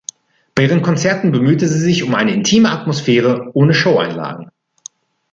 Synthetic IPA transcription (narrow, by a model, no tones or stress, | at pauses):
b̥aɪiːʁənkʰɔnt͡sɛɐtn̩bəmyːtəziːzɪçʊmʔaɪnəɪntʰiːməatmosfɛːʁ̞əʔoːnəʃoʊa̰ɪnla̰ːɡŋ̩